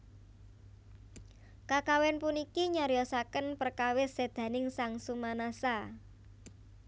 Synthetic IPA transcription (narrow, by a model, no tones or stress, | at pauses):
kakawɛnpunikiɲaɾjɔsakənpərkawɪsed̪̥ä̤nɪŋsaŋsumanasa